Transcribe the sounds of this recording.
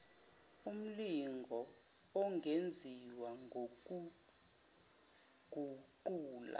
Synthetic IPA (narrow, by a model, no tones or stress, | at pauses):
um̩liŋɡʱɔ | ɔŋʱend͡zʱiwaŋʱoku | ɡ̥ʱuǃuːla̰